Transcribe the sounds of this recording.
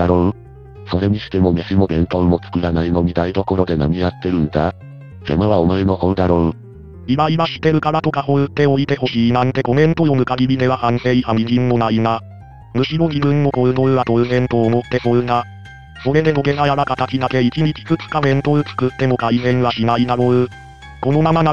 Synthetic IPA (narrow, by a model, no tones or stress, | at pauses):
d̪aɾo | so̞ɾe̞ɲ̟iɕi̥t̪e̞mo̞meɕimo̞ɡẽ̞nt̪õɰːo̞t͡sɨ̥kɯ̟ɾanaino̞mʲid̪aid̪o̞ko̞ɾod̪e̞na̰mʲiat̪ːe̞ɾɯ̟̃nd̪a̰ | ɡemaβaomaeno̞hõd̪aɾo | iɾaiβaɕi̥t̪ːe̞ɾɯ̟kaɾat̪o̞kaho̞ɯ̟t̪ːe̞o̞it̪e̞ho̞ɕiːnãnt̪e̞ko̞mẽ̞nt̪o̞jo̞mɯ̟kaɡʲimʲid̪e̞βahãnpe̞ihamʲid͡ʑĩnːo̞naina | mɯ̟ɕiɾo̞d͡ʑibɯ̟̃nːo̞ko̞ɯ̟d̪o̞ɯ̟βat̪o̞ɯ̟zẽ̞nt̪o̞ːmo̞t̪ːe̞hoɯ̟na | so̞ɾe̞d̪e̞no̞ɡe̞ɡajaɾakat̪at͡ɕid̪ake̞it͡ɕiɲit͡ɕi̥zɨt͡sɨ̥kaɡẽ̞nt̪o̞ɯ̟t͡sɨ̥kɯ̟t̪ːe̞mo̞kainẽ̞ɰ̃βaɕinainaɾoɯ | ko̞no̞mamana